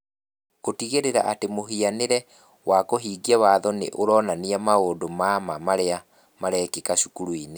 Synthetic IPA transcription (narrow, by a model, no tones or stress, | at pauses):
kotiɣeɾeɾa̰ʔatemoɦianeɾɛ | wakoɦiːɡiɛwaðɔnḛʔoɾɔnaniamaoːdomamamaɾea | maɾɛkekaɕukuɾuine